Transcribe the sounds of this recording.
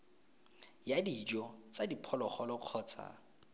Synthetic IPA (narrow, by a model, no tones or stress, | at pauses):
jadid͡ʒɔt͡sadipʰɔlɔχɔlɔq͡χʰɔːt͡sʰa̰